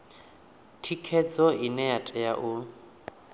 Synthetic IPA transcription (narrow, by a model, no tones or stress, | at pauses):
tʰikʰɛd͡zɔʔinɛjatʼɛjaʔu